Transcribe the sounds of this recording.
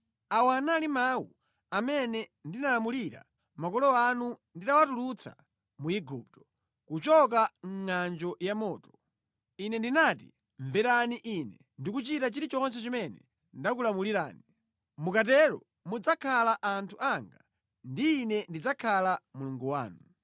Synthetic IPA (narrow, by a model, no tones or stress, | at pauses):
awanalimawṵ | amɛnɛndinalamuliɾa̰ | makɔlɔanunditawatulut͡sʰa̰ | muiɡup̚tɔ̥ | kut͡ʃɔk̬aŋ̩ŋand͡ʒɔjamɔːtɔ̥ | inɛndinaːtḭ | ɱvɛɾaniʔinɛ | ndikut͡ʃitat͡ʃiɾit͡ʃɔns̬ɛt͡ʃimɛnɛ̰ | ndak̬ulamuliɾa̰ːni | mukatɛɾɔ̰ | mud͡zakʰalaʔantʰuaŋɡa | ndiːnɛndid͡zakʰalamuluŋɡuwa̰ːnu